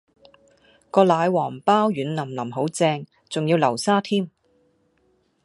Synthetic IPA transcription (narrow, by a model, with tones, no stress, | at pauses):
kɔː˧laː˨˧jwɔː˨˩ŋpaː˥wjyː˨˥nlɐ˨˩mlɐ˨˩mɦo˨˥wt͡sɛː˧ŋ | t͡sʊ˨ŋjiː˧wlɐ˨˩wsaː˥t̪ʰiː˥m